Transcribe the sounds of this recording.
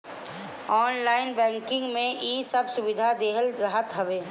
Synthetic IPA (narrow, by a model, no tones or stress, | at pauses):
ɔːnlaːɪnbɛ̃ːŋkɪ̃ŋɡmẽʔiːsɐbsʊbɪd̪ʱad̪eːɦəlɾɐɦət̪ɦɐʋeː